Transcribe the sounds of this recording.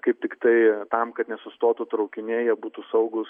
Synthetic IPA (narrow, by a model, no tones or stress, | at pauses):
kɐɪp̚t̪ʲɪkt̪ɐɪt̪ɐmkɐt̪nʲɛsʊst̪oːt̪ut̪ɾɐʊkʲɪnʲeːjɛbuːt̪usɐʊɡʊs